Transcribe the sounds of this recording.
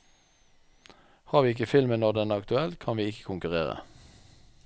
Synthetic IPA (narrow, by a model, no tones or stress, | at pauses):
hɑːʁʋiːɪkəfɪlmənod̪ɛnæːɑkt̪ʉɛlt̪kʰɑnʋiːɪkə̥kʰʊŋkʉʁḛːʁə̰